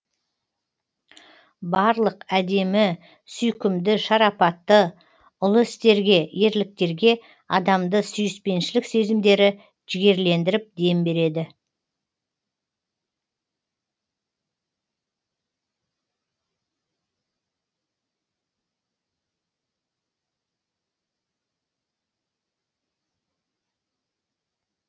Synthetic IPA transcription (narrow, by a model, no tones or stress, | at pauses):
bɑɾlˠəqæd̪e̞mɪ | sʏjkʲɪmd̪ɪʃɑɾɑpɑt̪ːə | ʊlˠʊɪst̪e̞ɾɡʲe̞je̞ɾlɪk̚t̪e̞ɾɡʲe̞ | ɑd̪ɑmd̪əsʏjɪspe̞nʃɪlɪkse̞zɪmd̪e̞ɾɪ | ʒ̥ɪɡʲe̞ɾle̞nd̪ɪɾɪp̚d̪e̞mbe̞ɾe̞d̪ɪ